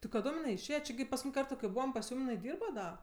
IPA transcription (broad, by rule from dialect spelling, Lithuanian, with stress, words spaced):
tɐɪ kɐˈdoːm jɪˈnɐɪ ɪʃʲˈeːjɛ t͡ʃʲɪ ɡʲɪ pɐskʊˈtʲiːnʲ ˈkɐrtoː kɐɪ ˈbuːʋɐm pɐs ˈjuːm jɪˈnɐɪ ˈdʲiːrbɐ ˈdɐ